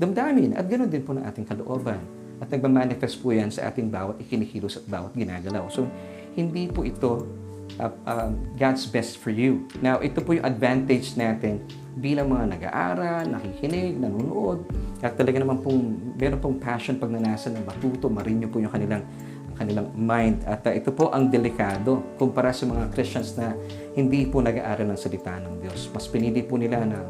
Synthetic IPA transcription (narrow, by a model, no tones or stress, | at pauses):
d̪ɐmd̪aːmɪnʔɐ̰t̪̚ɡɐno̞nd̪ɪnponɐŋʔa̰ːt̪ɪŋkɐloʔoːbɐn | ʔɐt̪̚nɐɡ̚mamaːnɪfɛst̪̚pʊjɐnsɐ̰ʔa̰ːt̪ɪŋbaːwɐt̪ʔɪkɪnikiːlosɐt̪̚ba̰ːwɐt̪̚ɡɪna̰ːɡɐlawso | hɪnd̪ipoʔɪt̪o̞ | ʔʔɐɡad̪sbɛst̪fɔɹjunawʔɛt̪opʊjʊŋʔɐd̪vant̪ɛd͡ʒnaːt̪ɪn | biːlɐŋmɐŋanɐɡa̰ːʔa̰ːɾɐlnɐhihɪnɪɡ̚nɐnuːno̰ʔod̪̚ʔɐt̪ːɐlɐɡanɐmanpʊŋmɛːɾonpoŋpaʃonpɐɡ̚nɐnaːsɐnɐŋmɐt̪uːt̪omɐɾɪnɲopʊjʊŋkɐnɪlaŋ | ɐŋkɐnɪlaŋmajnd̪ɐt̪ɐʔɛt̪o̞po̞ʔɐŋd̪ɛlɪkaːd̪o̞kʊmpɐɾasɐmɐŋakɾɪst͡ʃɐnsnɐ | hɪnd̪ipʊnɐɡa̰ʔaːɾɐlnɐŋsɐlɪt̪aːʔnɐŋd̪jo̞smɐspɪnilɪpʊnɪlanɐ